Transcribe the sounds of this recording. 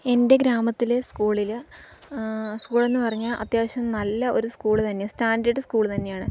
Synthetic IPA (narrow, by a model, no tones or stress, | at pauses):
e̞nde̞ɡɾaːmɐt̪ːileskuːɭilɨ | skuːɭe̞nːɨpɐrɐɲːaːɭʔɐ̰t̪jaːʋɐɕɐmnɐlːɐo̞̰ɾuskuːɭt̪ɐnːe̞staːndɐɖɨskuːɭt̪ɐnːe̞jaːɳɨ